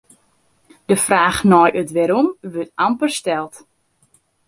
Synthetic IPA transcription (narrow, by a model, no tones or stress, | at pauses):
d̥əfraːxnɔjʔøtʋɛɾumʋøtampərstɛlˠt